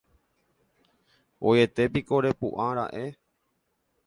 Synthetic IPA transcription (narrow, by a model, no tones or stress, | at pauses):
oje̞t̪e̞piko̞ɾe̞pṵʔãɾa̰ʔe̞